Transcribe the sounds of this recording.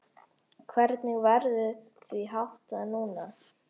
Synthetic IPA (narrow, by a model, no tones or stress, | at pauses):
kʰvɛɾt̪nɪɣvɛɾðʏ | θʰviɦawht̪anuːna